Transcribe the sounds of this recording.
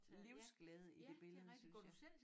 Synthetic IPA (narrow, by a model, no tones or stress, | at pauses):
liʊsɡ̥lɛːð̞̩ˠəid̥e̝b̥e̝ləð̞̩ˠəsyn